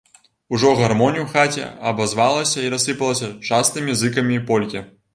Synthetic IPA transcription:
uʐɔɣarmɔnʲijuwxat͡sʲɛ̰ɐbazvalˠɐsʲɐiɾɐsɨpɐlˠɐsʲɐt͡ʂast̪ɨmʲizɨkɐmʲipɔlʲkʲɛ

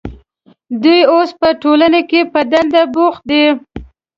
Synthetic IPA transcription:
d̪ujospəʈolanekepəd̪and̪abox̚d̪e

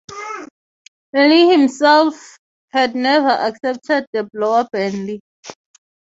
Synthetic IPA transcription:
ɛlihĩmsɛlf | hɛdnɛvaʔaksɛp̚tʰɛd̚dəblɔwabɛ̃nli

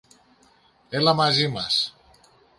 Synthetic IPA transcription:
elamazimas

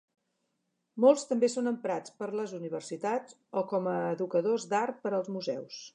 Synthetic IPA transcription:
molˠst̪əmbesonəmpɾat͡spəɾləzuniβ̞ərsit̪ad͡z | ɔkɔməːðukəðozd̪art̪̚pəɾəlˠzmuzɛ̰ws

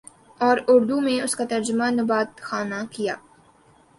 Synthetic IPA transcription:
ɔːɾʊɾd̪umẽʊskat̪ɐɾd͡ʒʊmanɐbaːt̪xaːnakija̰ː

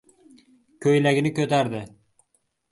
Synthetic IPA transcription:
kʲʰɵjlaɡʲɪnɪkʲʰɵt̪aɾd̪ɪ

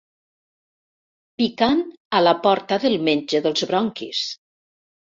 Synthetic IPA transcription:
pikanalapɔɾt̪aðəlˠmeɲʲd͡ʒəðəlˠzβɾɔŋkḭs

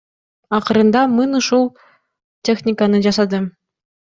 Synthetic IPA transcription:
ɑχɤ̆ɾɤ̆nd̪ɑmɯnɯʃulˠ | tʲexnʲikanɤd͡ʑɑsɑd̪ɤm

